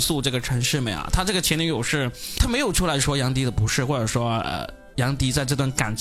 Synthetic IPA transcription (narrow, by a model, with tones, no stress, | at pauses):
su˥˧ʈ͡ʂɤ˥˩ɡə˩ʈ͡ʂʰɤ˧˥ŋʂɻ̩˥˩mə˨˩a̰˩t̪ʰa˥ʈ͡ʂɤ˥˩ɡə˩t͡ɕʰɛ˧˥ni˧˥jo˨˩ʊʂɻ̩˥˩t̪ʰa˥me˧˥ɪjo˨˩ʊʈ͡ʂʰu˥la˧˥ɪʂwɔ˥jɑ˧˥ŋt̪̬i˧˥d̪ə˨˩pu˧˥ʂɻ̩˥˩˧xwɔ˥˩ʈ͡ʂɤ˨˩ʂwɔ˥ə̰˧˩ | jɑ˧˥ŋt̪i˧˥t͡sa˥˧ɪʈ͡ʂɤ˥˧t̪wa˥˩nka˨˩nt͡ɕ